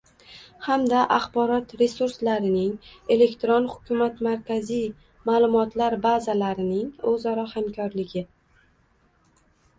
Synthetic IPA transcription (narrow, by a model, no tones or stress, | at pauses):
hamd̪aʔaχbɒɾɒt̪ɾe̞suɾslaɾɪnɪŋe̞le̞kt̪ɾonhʊ̥kʲʰʊmat̪maɾkʲazij | maːlˠʊmɒt̪laɾbazalaɾɪnɪŋɵzaɾɒhamkʰɒɾlɪɡʲɪ